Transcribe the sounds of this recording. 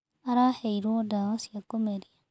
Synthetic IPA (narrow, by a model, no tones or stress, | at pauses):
aɾaheiɾwodaosjakːomeɾia